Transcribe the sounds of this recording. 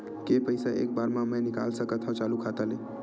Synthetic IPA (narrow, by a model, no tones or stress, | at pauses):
kepəɪsaʔḛk̚baɾmãməjnika̰lsəkət̪ʰɔ̃t͡ʃalukʰat̪əle